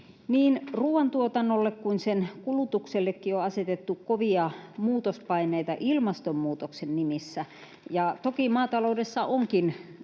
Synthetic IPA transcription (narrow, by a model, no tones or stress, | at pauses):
niːnruːʋɑnt̪uot̪ɑnːolːekkunsenkulut̪ukselːekːioɑset̪et̪ːukkoʋiɑmuːt̪ospɑineit̪ɑʔilmɑst̪ommuːt̪oksennimisːæ | jɑt̪okimɑːt̪ɑloudesːɑʔoŋkin